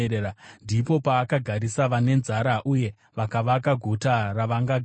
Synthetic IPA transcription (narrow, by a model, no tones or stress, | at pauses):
eandipo̞paːkaɡʱaɾisaʋane̞nzaɾaʔuje̞ | ʋakaʋakaɡʱotaraʋaŋɡaɡʱ